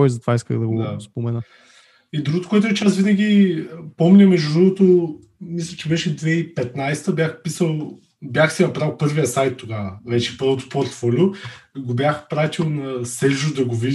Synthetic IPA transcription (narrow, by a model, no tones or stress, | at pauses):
kɔjzɐt̪ovaiskə̰ɣd̪ɐɡd̪aspomɛnə | id̪ɾuɡʊot̪o̥koɛt̪ʊɛt͡ʃasvinɐɡʲipɔmlʲɛmɛʒd̪uʒuɡˠot̪o | mislʲət͡ʃɛbɛʃɛd̪vɛipɛt̪najst̪əbjaxpisəlˠ | bjaxsinɐpɾalˠpɤɾvijəsajt̪ːoɡavəvɛt͡ʃɛ̥pɤɾvot̪ʊ̥poɾt̪fɔlʲʊɡobʲjaxpɾat̪ʲilˠnɐsɛʒʊd̪ɐɡovi